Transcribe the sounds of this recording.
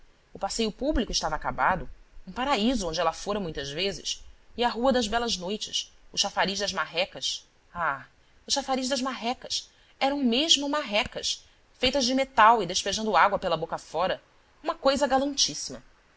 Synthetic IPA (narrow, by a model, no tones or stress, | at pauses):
ʊpasejʊpublikʊɪʃt̪avaːkabad̪ʊũpaɾaizʊõd͡ʒɪɛlɐfoɾɐmũj̃t̪ɐzvezɪ̰sɪaɦuɐd̪ɐzbɛlɐznojt͡ʃɪsʊʃafaɾiʒd̪ɐzmaɦɛkɐs | a | ʊʃafaɾiʒd̪ɐzmaɦɛkɐs | ɛɾɐ̃w̃meʒmʊmaɦɛkɐs | fejt̪ɐzd͡ʒɪmet̪awɪd̪eʃpeʒɐ̃nd̪ʊaɡwɐpelɐbokɐfɔɾɐ | ũmɐkojzɐɡalɐ̃nt͡ʃisimɐ